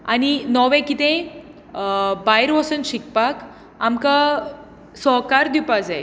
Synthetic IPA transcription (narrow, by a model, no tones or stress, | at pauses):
a̰ninɔʋẽkit̪ẽ | bajɾʋəsənɕik̚pak | amka | sɔkaɾd̪ipad͡zae